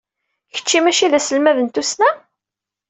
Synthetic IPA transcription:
çə̥t͡ʃːimæʃiðæsəlmæðənt̪usnæ

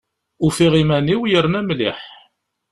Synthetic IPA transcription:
ufiʁimæniwjəɾnæmliħ

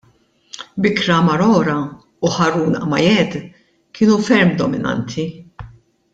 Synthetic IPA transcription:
bɪkɾɐmɐɾɔːɾɐ | uħɐɾuːnɐ̰mɐjɛd̪ | kʰɪːnufɛɾmd̪ɔmɪnɐ̰nt̪ʰi

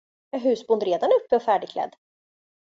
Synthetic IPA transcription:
ɑɦʉ̟ːsbʊnd̪ɾeːd̪anɵpːɛɔfæːɖɪkʰlɛ̰d̪ː

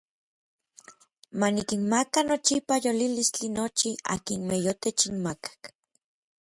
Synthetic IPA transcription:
manikinmakanot͡ʃipajolilist͡ɬinot͡ʃia̰kinmejot̪et͡ʃinmakḁk

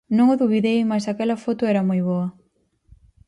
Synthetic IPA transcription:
nõŋʊðuβiðejmasakɛlɐfot̪ʊɛɾɐmojβoɐ

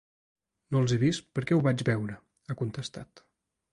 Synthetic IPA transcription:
nolˠzeβist̪pəɾkɛuβad͡ʒβɛwɾə | əkunt̪əst̪at̪

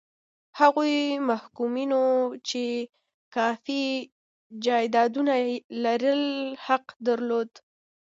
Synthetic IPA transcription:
haɣujmahkuminot͡ʃe | kɑfi | d͡ʒɑjd̪ɑd̪unalaɾəlhaqd̪aɾlod̪

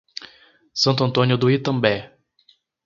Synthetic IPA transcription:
sɐ̃nt̪ʊɐ̃nt̪õnjʊd̪uit̪ɐ̃mbɛ

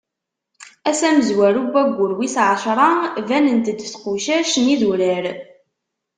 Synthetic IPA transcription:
æsæməzwæɾubːæɡʷːʊɾwisʕəʃɾˤɑvænənt̪əd̪ːθquʃæʃəniðuɾəɾ

